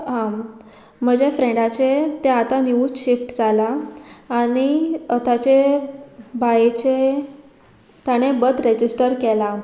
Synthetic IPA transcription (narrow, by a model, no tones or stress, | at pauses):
ɦã | m̤əd͡ʑefɾẽɖat͡ɕet̪eat̪aniuɕifʈd͡zalaː | ɽ̃iət̪at͡ɕe | bajet͡ɕe | t̪jaɽ̃ebət̪ɾed͡ʑisʈəɾkela